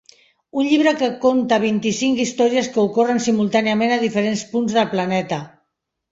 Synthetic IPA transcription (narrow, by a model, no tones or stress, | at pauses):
unʎiβ̞ɾəkəkont̪aβ̞int̪isiŋkist̪ɔɾiəskəukorənsimulˠt̪aniəmenað̞ifəɾenspunzðəlˠplanɛt̪ə